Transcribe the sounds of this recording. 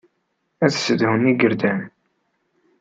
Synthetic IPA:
æðsəd̪həniɡəɾd̪æn

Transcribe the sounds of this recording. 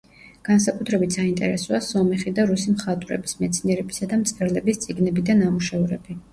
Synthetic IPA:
ɡ̥ansakʼut̪ʰɾɛbit̪ʰsaint̪ʼɛɾɛsɔasɔmɛχid̪aɾusimχat̪ʼvɾɛ̰bismɛt̪sʰniɛɾɛbi̥sad̪amt̪sʼɛɾlɛbist̪sʼiɡnɛbid̪anamuʃɛvɾɛbi

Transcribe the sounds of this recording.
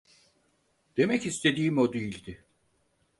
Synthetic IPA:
d̪̥e̞mɛcist̪ʰe̞d̪iːmo̞d̪ejilʲd̪ɪ

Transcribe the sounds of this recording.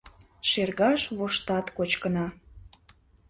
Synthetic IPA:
ʃerɣɑʃβoʃt̪ɑt̪kot͡ɕkənɑ

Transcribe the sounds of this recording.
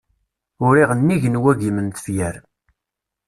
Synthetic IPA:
ʊɾiʁənːiʝənwæɡimənt̪ə̥fjæɾ

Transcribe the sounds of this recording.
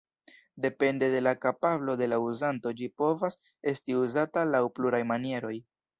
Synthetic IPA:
de̞pe̞nde̞de̞lakapablo̞de̞lauzanto̞d͡ʒipo̞vas | e̞stiuzatalawpluɾajmanie̞ɾo̞j

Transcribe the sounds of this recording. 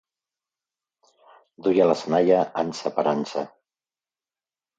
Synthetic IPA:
d̪ujalasənajaʔansəpaɾansa

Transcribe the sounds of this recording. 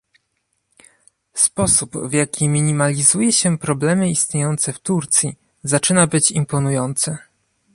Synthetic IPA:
spɔsubvjakʲimʲiɲimalʲizujɛɕɛpɾɔblɛmɘist̪ɲejɔnt̪sɛft̪uɾt̪sʲji | zat͡ʂɘnabɘt͡ɕimpɔnujɔnt̪sɘ

